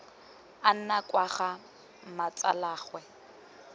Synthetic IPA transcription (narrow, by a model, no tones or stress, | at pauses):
an̩nakʼwaχa | mat͡sʼa̰laːɣwɛ